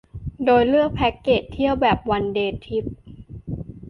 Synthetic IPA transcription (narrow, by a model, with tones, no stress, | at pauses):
doː˧jlɯ˥˩ək̚pʰɛ˦˥kːeː˨˩t̪ʰːi˥˩əwbɛː˨˩p̚wa˧ndeː˧t̪ʰi˦˥p̚